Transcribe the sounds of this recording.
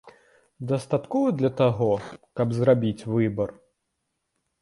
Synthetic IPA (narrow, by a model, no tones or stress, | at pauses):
d̪ɐst̪at̪kɔvɐd̪lʲɐt̪aɣɔkɐbzrabʲit͡sʲvɨbɐr